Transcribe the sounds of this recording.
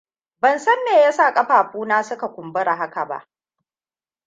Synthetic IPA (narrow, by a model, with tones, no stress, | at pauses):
bɐ˨nsɐ˦nːeː˨ja˦saː˦˨kʼɐ˦ɸaː˨ɸuː˦naː˦sʊ˦ka˨kʷʊ˨mbʊ˦ɾa˨ɦa˦ka˨ba̰˦ʔ